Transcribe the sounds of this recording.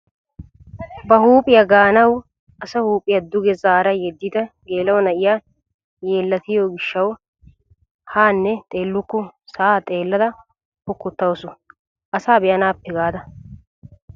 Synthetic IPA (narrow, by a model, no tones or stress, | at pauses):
bɐhuːpʼɪjɐɡaːnɐw | ɐsɐhuːpʼɪjɐd̪ʊɡɛzaːɾɐjɛd̪ːid̪ɐɡe̞ːlɐwnɐʔɪja | jeːlːɐt̪ɪjoːɡɪʃːɐw | haːnːɛt̪ʼe̞ːlːʊkːʊsaːt̪ʼe̞ːlːɐd̪ɐ | hɔkːʊt̪ːɐwsʊ | ʔɐsaːbɛjɐnaːpːɛɡaːd̪ɐ